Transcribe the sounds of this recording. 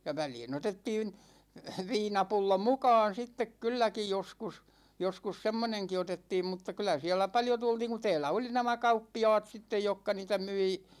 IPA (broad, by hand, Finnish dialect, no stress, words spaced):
jɑ ʋæliːn otetːiːn ʋiːnɑpulːo mukɑːn sitːek kylːæki joskus joskus semːoneŋki otetːiːm mutːɑ kylæ siælæ pɑljo tultiːŋ ku tɛːlæ oli næmæ kɑupːiɑ̝ːt sitːej jokːɑ niːtæ myi